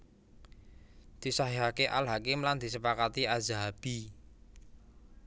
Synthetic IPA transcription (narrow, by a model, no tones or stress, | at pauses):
d̪̥i̤saɦiɦakeʔalɦakɪmland̪̥isəpakat̪iazaɦab̥i